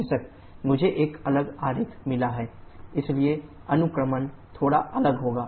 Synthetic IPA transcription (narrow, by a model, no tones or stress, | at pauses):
sək | mʊd͡ʒʱeʔeːkɐləɡaːɾɪt̪ʰmɪlaɦɛːɪslie | ɐnʊkɾəmənt̪ʰoːɽa̰ʔɐləɡɦoːɡaː